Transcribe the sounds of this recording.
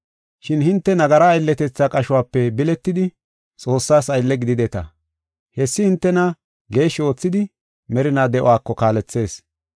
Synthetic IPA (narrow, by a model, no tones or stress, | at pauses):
ʃɪnhɪnt̪ːɛnɐɡɐɾɐːjlːɛt̪ɛt͡sːakʼɐʃʊwaːpːɛbɪlɛt̪ːɪd̪ɪ | t͡sʼo̞ːsːaːsɐjlːɛɡɪd̪ɪd̪ɛt̪ɐ̰ | hɛsːɪhɪnt̪ːɛnɐ | ɡe̞ːʃːɪo̞ːt͡sːɪd̪ɪ | mɛɾɪnaːd̪ɛʔɔ̰waːkːɔkaːlɛt͡sːe̞ːs